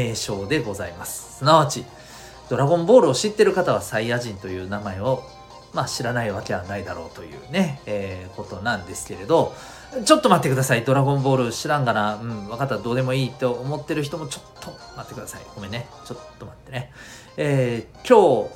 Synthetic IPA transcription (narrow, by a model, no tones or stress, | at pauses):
eːɕo̞ːd̪e̞ɡo̞zaimasɨ̥sɨnaβat͡ɕi | d̪̥o̞ɾaɡõ̞mbo̞ːɾɯ̟o̞ɕit̪ːe̞ɾɯ̟kat̪aβ̞asaiaʑĩnt̪o̞jɯ̟ːnamae̞o̞ | maɕiɾanaiβake̞βanaid̪aɾo̞̰ːt̪o̞jɯ̟̰ːne̞ːkot̪o̞nãnd̪e̞sɨ̥ke̞ɾe̞d̪o̞ | t͡ɕo̞t̪ːo̞mat̪ːe̞kɯd̪asaid̪o̞ɾaɡõ̞mbo̞ːɾɯ̟ɕiɾãŋɡanaɯ̟̃ɴβakat̪ːad̪o̞ːd̪e̞mo̞iːt̪oːmo̞t̪ːe̞ɾɯ̟çi̥t̪o̞mo̞t͡ɕo̞̥t̪ʰːo̞ | mat̪ːe̞kɯ̟d̪asa̰ḭɡ̥o̞me̞ne | t͡ɕo̞t̪ːo̞mat̪ːe̞ne̞ | eːkʲo̞ː